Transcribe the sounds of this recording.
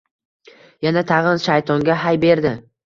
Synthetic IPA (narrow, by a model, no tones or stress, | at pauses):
janat̪ʰɑʁɨnʃajt̪ʰɒŋɡʲaɦajbe̞ɾd̪ɪ